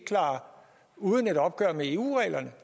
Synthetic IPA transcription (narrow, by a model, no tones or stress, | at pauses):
kʰlɑ̰̈ː | uːð̞ˠəne̝ɾɒ̽b̥̚ɡ̥ɶɐ̰mee̝ːṵːʁɛ̰ːlɐnə